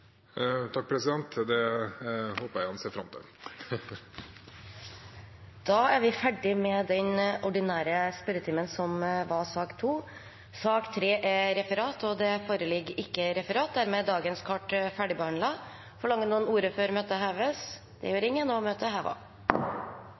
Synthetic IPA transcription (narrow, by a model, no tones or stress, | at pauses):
t̪ʰɑk̚ːpʰɾɛsɪd̪ɛnt̪d̪ɛ | hoːpəɾæɪhɑnseːfɾɑmt̪ʰɪ̰ | d̪̥ɑːæɾʋɪfæɖɪmɛd̪ɛnɔɖɪnæːɾəspœɾət̪ʰiːmənsɔmʋɑsɑːkt̪ʰuː | sɑːkt̪ʰɾeːʔɛɾɛfəɾɑːt̪ɔd̪ɛfoːɾəlɪɡɪkːəɾɛfəɾɑːt̪̚d̪æɾmɛːd̪ɑːɡənskʰɑʈfæɖɪbəhɑnɳlɑ | fɔɭɑŋːənuːənuːɾəføːɾmøːt̪əɦɑːʋɛs | d̪ɛ̰jøːɾɪŋːənɔmøːt̪əhæːʋɑ̰